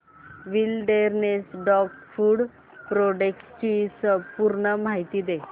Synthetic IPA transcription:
ʋilɖeɾnesɖɔkfuːɽ | pɾoɖekst͡ɕisəpuɾɳəmaɦit̪iːd̪e

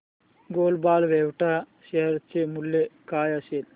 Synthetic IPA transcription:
ɡoːlbaːlʋeʋʈa | seɾt͡ʃːemulːekaːjasel

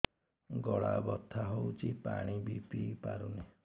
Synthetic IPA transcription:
ɡɔɭabɔt̪ʰːaɦowt͡ʃʰipa̰ɽ̃ibipipaɾune

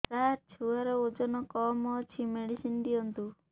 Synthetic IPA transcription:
kaɾt͡ʃʰuaɾɔod͡ʒɔnɔkɔmɔt͡ʃʰimeɽisinɖ̪ijɔnt̪u

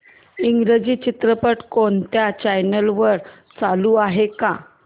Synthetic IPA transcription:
iŋɡɾed͡ʑiːt͡ɕit̪ɾəpəʈkont̪jat͡ɕajnəlʋəɾ | t͡saluːaɦeka

